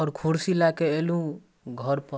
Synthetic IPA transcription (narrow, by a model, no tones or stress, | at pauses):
ɔɾkʰuɽsilakeelũ | ɡʱʌɾpə